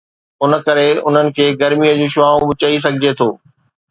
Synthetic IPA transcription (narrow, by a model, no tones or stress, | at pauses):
ʊnə̆kɐɾeʊ̰n̤ənɪ̆kʰeːɡɐɾmijəd͡ʑũːʃʊaːũbʊt͡ɕais̬ɐɡʱɪd͡ʑet̪ʰoː